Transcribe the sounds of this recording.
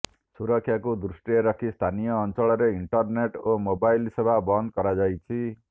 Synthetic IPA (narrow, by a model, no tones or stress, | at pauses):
suɾʌkʰːjakod̪ɾusʈijeɾʌkʰist̪ʰanijʌːnt͡sʌɭʌɾeiɳʈʌrneʈomobajlsebʱabʌnd̪̚kʌɾad͡zajt͡sʰi